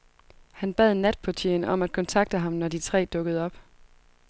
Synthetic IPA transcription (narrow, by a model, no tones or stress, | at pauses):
hænb̥ɛð̞̰ˠnæd̥̚pʰɒt͡ɕʰḛnɒ̽mæd̥̚kʰɒ̽nt͡sʰɑ̈ɡ̥̚d̥əɦɑ̈mnɒd̥it͡sʰʁɛ̰ːd̥ɔ̽ɡ̥əð̞̩ˠɒ̽b̥